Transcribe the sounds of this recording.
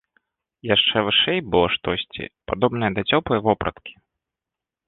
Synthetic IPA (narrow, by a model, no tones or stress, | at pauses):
jaʂt͡ʂɛvɨʂɛjbɨlˠɔʂt̪ɔsʲt͡sʲḭpad̪ɔbn̪ɐjɐd̪ɐt͡sʲɔpˠɨjvɔpɾɐ̰t̪kʲi̥